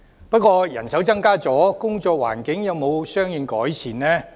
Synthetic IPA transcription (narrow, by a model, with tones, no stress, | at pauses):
pɐ˥t̚kwɔː˧jɐ̰˨˩nsɐ˨˥wt͡sɐ˥ŋkaː˥t͡sɔː˨˥kʊ˥ŋt͡sɔː˧k̚wa̰ː˨˩nkɪ˨˥ŋjɐ˨˧wmo˨˧wsœː˥ŋjɪ˨˧ŋkɔː˨˥jt͡sʰiː˨˩nnɛː˥